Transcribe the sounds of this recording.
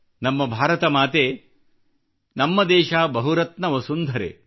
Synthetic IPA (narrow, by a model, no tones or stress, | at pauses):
nɐmːɐbʱaːɾɐt̪ɐmaːt̪eː | nɐmːɐd̪ɛːʃaːbɐɦuɾɐt̪nɐʋɐsund̪ʱɐɾḛː